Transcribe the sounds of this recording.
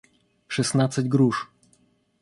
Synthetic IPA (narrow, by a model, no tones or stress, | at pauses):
ʂɛsnat̪sad͡ʑʲɡɾuʂ